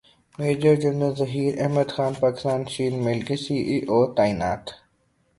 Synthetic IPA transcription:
meːd͡ʒəɾd͡ʒʊnəzɐɦiːɾɐɦməd̪xaːnpaːkɪ̥st̪aːnʃiːnmelɡisiːʔiːʔoːt̪aːina̰ːt̪

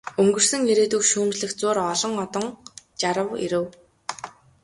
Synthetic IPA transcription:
ɵŋɡɵ̆r̥sɵ̆ŋeɾeːt̪ŭkʃuːmt͡ɕɮɘ̆xt͡sʊːrɔɮɞ̆ŋɔt̪ɞ̆ŋt͡ɕaɾə̆wḭɾɘ̆w

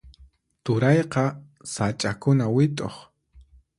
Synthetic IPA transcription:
t̪ʊɾɑjqɑ | sat͡ʃʼakʊnawɪt̪ʼo̰χ

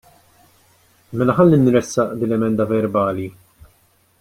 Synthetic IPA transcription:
mɛlɐħɐlːinɾɛsːɐʔd̪iːnlɛmɛnd̪ɐvɛɾbɐːli

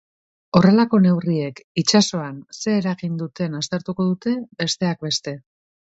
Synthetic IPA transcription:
o̞re̞lako̞ne̞wrie̞kit͡ʃaso̞anse̞ːɾaɣind̪ut̪e̞nast̪e̞ɾt̪uko̞ðut̪e̞be̞st̪e̞ak̚be̞st̪e̞

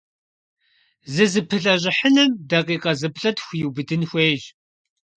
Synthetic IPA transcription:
zɨzɨpʰɨɬɐʑʷɪħənɨmdɐqiːqʼɐzɨbɬʼɐtxʷjuwbɨdɨnxʷeːʒ

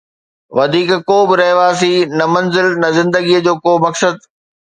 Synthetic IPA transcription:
ʋɐd̪ʱiːkkoːbɪɾɐɦʋaːs̬inɐmɐnzɪlnɐzɪ̃nd̪əɡijəd͡ʑoːkoːmɐksəd̪̚

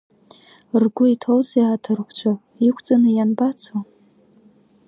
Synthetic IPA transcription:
rɡʷʊitʰowzjaːtʰɨrkʷt͡ɕʷʰa | ikʷʰt͡sʼanɨjanbat͡sʰa

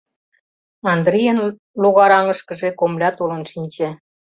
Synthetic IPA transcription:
ɑnd̪ɾijən | loɣɑɾɑŋə̆ʃkə̆ʒekomlʲɑt̪olə̆nʃinʲt͡ɕæ

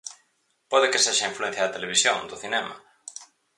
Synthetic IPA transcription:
pɔðɪkeseʃɐĩɱfluen̟θjaɐðɐt̪eleβ̞isjõ̰ŋd̪ʊθinɛma̰

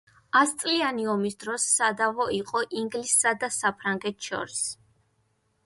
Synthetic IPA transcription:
ast̪sʼlianiɔmisd̪ɾɔsːad̪avɔiqʼɔʔiŋɡlisːad̪asapʰɾaŋɡɛt̪ʰʃɔ̰ɾis

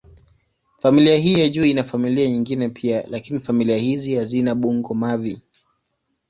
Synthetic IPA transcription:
familiaɦiːjaʄuːinafamiliaɲiŋɡinɛpʰialakinifamiliahizihazinaɓuŋɡɔmavi

